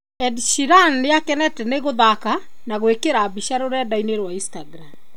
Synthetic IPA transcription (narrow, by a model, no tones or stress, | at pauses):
ɛdʃiɾanejakɛnɛtɛneɣoðaka | naɣwekeɾabiʃaɾoɾɛdaineɾwaistaɡɾam